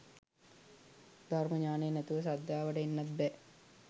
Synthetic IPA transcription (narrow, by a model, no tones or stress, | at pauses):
d̪ʱarməɲaːnejːnɛt̪uʋəs̬ad̪ʱjaːʋəʈəenːɐt̪̚bɛ